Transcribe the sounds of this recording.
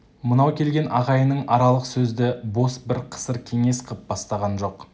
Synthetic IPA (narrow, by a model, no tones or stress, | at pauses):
mənɑwkʲʰe̞lɡʲe̞nɑʁɑjənəɴʔɑɾɑlˠəqsɵzd̪ɪbo̞sbɪɾqʰə̥səɾkʲʰe̞ŋe̞sqʰəp̚bɑst̪ɑʁɑnʒo̞q